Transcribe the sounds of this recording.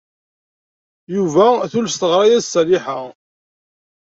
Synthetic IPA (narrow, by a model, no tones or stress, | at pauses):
juvæθulfst̪əʁɾˤɑjæsːliħa